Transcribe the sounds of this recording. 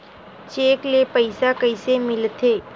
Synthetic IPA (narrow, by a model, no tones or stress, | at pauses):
t͡ʃeːklepəɪsakəɪsemɪlt̪ʰeː